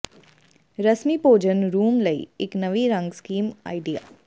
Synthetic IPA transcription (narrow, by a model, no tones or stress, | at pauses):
ɾəsmipoːd͡ʒənɾuːmləḭːɪknɐʋiɾə̃ŋɡskiːma̰ːɪɖija̰ː